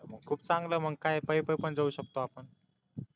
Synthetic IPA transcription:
məkʰuːpt͡sãŋɡləːm̤əɡkajpəipəjpəɳd͡zauɕək̚t̪oapəɳ

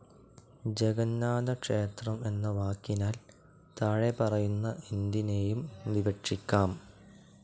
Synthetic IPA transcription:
d͡ʑeɡɐnːaːd̪ɐkʂe̞ːt̪rɐme̞nːɐʋaːkːinaːl | t̪ɐɻepɐrɐjunːɐʔind̪ine̞ːjumʋiɡɐʈʂikʲːaːm

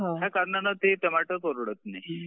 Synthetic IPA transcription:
ɦãɦjakaɾnanat̪et̪əmaʈətoɾɽət̪ne

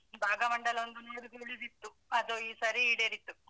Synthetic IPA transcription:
bʱaːɡɐʋɐɳɖɐlond̪unoːɽuɡeliɾit̪ːu | ɐd̪uiːsɐɾiiːɽeːɾit̪ːu

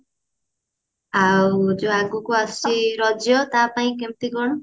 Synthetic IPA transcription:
awd͡zoaɡukoastiɾʌd͡zjʌt̪apaĩkʌmt̪iɡʌrnʌ

